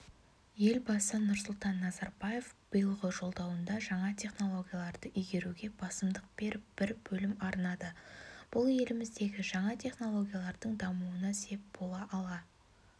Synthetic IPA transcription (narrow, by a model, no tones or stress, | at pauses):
je̞lbɑsənʊɾsʊlˠt̪ɑnːɑzɑɾbɑje̞fb̥əjəlˠʁəʒo̞lˠd̪ɑwənd̪ɑʒɑɴɑt̪ʲʰe̞χno̞lˠo̞ɡʲijalˠɑɾd̪əʔʏjɡʲe̞ɾuɡʲe̞bɑsəmd̪əq̚b̥e̞ɾɪp̚b̥ɪɾbɵlɪmɑɾnɑd̪əb̥ʊlˠje̞lɪmɪzd̪e̞ɡʲɪʒɑɴɑt̪ʲʰe̞χno̞lˠo̞ɡʲijalˠɑɾd̪əɴd̪ɑmuənɑse̞p̚b̥o̞lˠɑʔɑlˠɑ